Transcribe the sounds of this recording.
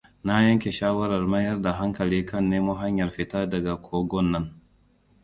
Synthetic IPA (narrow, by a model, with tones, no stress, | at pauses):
na˦jɐ˦ŋkʲe˨ʃaː˦wɐ˦ɾɐ˨rmɐ˦jɐ˦rda˨ɦa˦ŋkɐ˨liː˦kɐ˦˨nːeː˦mu˦ɦa˦ɲjɐ˨rɸɪ˨taː˦dɐ˨ɡa˨kʷʰoː˦ɡɔ˦nːɐ˦ŋ